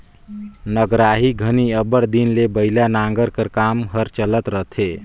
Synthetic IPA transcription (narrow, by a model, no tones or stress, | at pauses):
nəɡɾaɦiɡʱəniəbəɽd̪inlebəilanaŋɡəɾkəɾkamɦəɾt͡ʃələt̪ɾəɦt̪ʰe